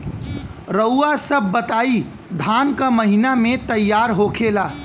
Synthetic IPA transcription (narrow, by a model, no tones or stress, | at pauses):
ɾəwasəbʱːət̪ai | d̪ʱankəməɦinamet̪əjːaɾɦokʰela